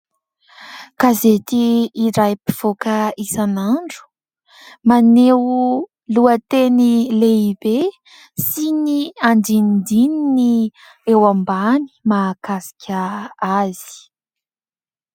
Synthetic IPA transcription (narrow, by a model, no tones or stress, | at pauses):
kazet̪iːɾajpiv̥okəisanaɳɖ͡ʐu̥ | manew | luət̪enileibe | siniaɳdinid̪inini | ewambani̥maːkasi̥kʲʰaaz̥i̥